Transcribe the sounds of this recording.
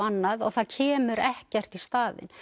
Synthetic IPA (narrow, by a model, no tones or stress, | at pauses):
anːaðɔɣθaðcʰɛːmʏɾɛhcɛr̥t̪ist̪aːðɪ̰n